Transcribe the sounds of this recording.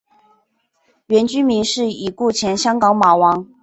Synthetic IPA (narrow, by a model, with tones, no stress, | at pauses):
ɥɛ˧˥nt͡ɕy˥nmi˧˥ŋʂɻ̩˥˩i˨˩ku˥˩t͡ɕʰjɛ˧˥nɕjɑ˥ŋkɑ˧˥ŋma˨˩wɑ˧˥˦ŋ